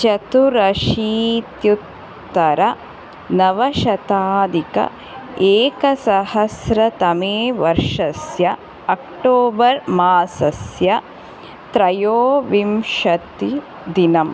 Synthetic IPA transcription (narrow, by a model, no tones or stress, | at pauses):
t͡ʃɐt̪uɾɐʃiːt̪jut̪ː | ɐɾɐ | nɐʋɐʃɐt̪aːd̪ikɐ̰ | eːkɐsɐhɐsɾɐt̪ɐmeːʋɐɾʂɐsjɐ | ɐk̚ʈoːbɐɾmaːsɐsjɐ | t̪ɾɐjoːʋimʃɐt̪i | d̪inɐm